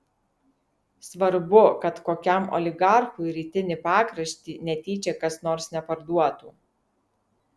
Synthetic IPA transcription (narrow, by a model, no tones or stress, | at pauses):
sʋɐɾbʊkɐt̪koːkʲɛˑmɔ̰lʲɪɡɑˑɾxʊɪɾʲiːt̪ʲɪnʲɪpɑːkɾɐʃʲt̪ʲiːnʲɛt̪ʲiːt͡ʃʲekɐsnoːɾsnʲɛpɐɾd̪uɔt̪uː